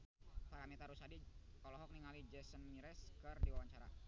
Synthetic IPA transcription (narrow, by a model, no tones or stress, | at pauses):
t̪aɾamit̪aɾusadiɔlɔɦɔk̚niŋalid͡ʒɛsənmiɾɛskɨrdiwawaɲt͡ʃaɾa̰